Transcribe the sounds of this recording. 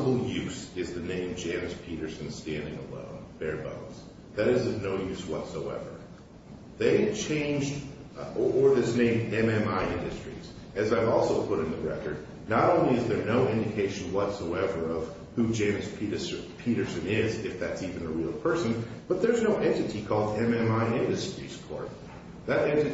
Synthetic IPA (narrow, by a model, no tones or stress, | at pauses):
əbl̩ˠjʉsɪzðɨnẽɪ̃md͡ʒẽɪ̃mɨspʰiɾə˞sɨ̃n̩stæ̃ndɪ̃ŋə̰lõ̰ʊ̃nb̥ɛɹbõ̰ʊ̃nz̥ | ðɨɾɨzʌvnoʊjʉswʌtsoʊɛ̰və̰˞ | ðeɪt͡ʃʰẽɪ̃nd͡ʒd | ʔə˞ðɪsnẽɪ̃mɛ̃mɛ̃maɪɪ̃ndɨstɹ̥ḭz̥ | ɨzaɪvɔlˠsoʊpʰʊɾ̃n̩ðɨɹɛ̰kə̰˞d̚ | nəɾõʊ̃nliɨzðə˞noʊɪ̃ndɨkʰeɪʃɨ̃n̩wʌtsoʊɛvə˞ʌv̥ | hud͡ʒẽɪ̃mspipʰiɾə˞sɨ̃nɪzɪfðætsivɨ̃nɨɹil̩ˠpʰɜ˞sɨ̃nb̥ʌt̪̚ðə˞znoʊʔɛ̃ntɨɾikʰɔlˠdɛ̃mɛ̃maɪɪ̃ndɨstɹ̥ḭz̥kʰɔ̰ɹt | ðɨɾɛ̃ntɨ